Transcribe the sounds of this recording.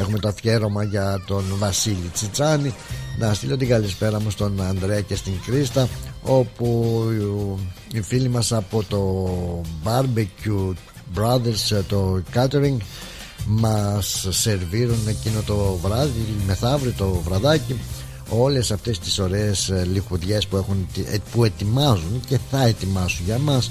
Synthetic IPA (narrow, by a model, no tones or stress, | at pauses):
e̞xume̞t̪oθçe̞ɾo̞mɐʝɐt̪o̞nvɐsilit͡sit͡sɐninɐst̪ilo̞t̪iɡɐlispe̞ɾɐmust̪o̞nɐnd̪ɾe̞ɐce̞st̪iŋɡɾist̪ɐo̞pu | ifilimɐsɐpo̞t̪o̞ | bɐɾbicu | bɾɐðeɾst̪o̞kɐt̪e̞ɾiŋɡ | mɐsːe̞ɾviɾune̞cino̞t̪o̞vɾɐðime̞θɐvɾit̪o̞vɾɐðɐci | o̞le̞sɐft̪est̪i̥so̞ɾeːslixuðʝe̞spue̞xunpue̞t̪imɐzunce̞θɐe̞t̪imɐsunʝɐmɐs